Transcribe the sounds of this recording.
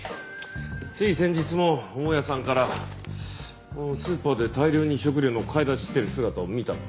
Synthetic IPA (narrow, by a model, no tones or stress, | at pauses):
t͡sɨisẽ̞ɲ̟d͡ʑit͡sɨmo̞omojasãŋkaɾa | osɨːpaːd̪e̞t̪aiɾʲo̞ːɲ̟iɕo̞k̬ɯ̟ɾʲoːno̞kʰaid̪aɕi̥t̪ːe̞ɾɯ̟sɨɡat̪aomʲit̪a